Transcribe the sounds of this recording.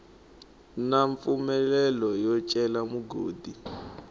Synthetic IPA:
naɱp̪fumɛlɛlɔjɔt͡ʃʼɛlamuɡoːdi

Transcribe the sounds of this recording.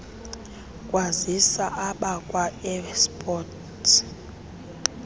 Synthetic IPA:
kʼwazisaʔaɓakʼwaɛspʼɔtʰ

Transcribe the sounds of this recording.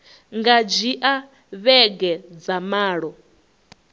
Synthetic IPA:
ŋɡad͡ʒiʔa | βɛɡɛd͡zamaːɺɔ

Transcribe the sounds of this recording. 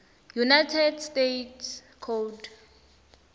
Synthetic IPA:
junajtʰɛdstetʰ | kʰod

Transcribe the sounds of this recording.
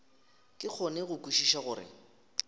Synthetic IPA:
kʼɪk͡xʰɔneɣʊkʼuʃiʃaɣʊːɾɪ̰

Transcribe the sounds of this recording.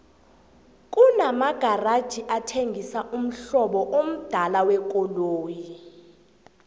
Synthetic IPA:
kʼunamaɡ̥ʱarad̥ʒ̥ʱiʔatʰeŋɡʱisaʔum̩ɬɔɓɔʔom̩d̥ʱalawɛkʼɔloːji

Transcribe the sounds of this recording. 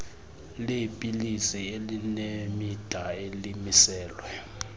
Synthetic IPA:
lepʼilisielinemid̥ʱaelimisɛːlwɛ

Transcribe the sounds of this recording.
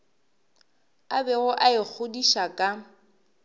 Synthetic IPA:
abɛɣʊʔaɪk͡xʰʊdiʃakʼa

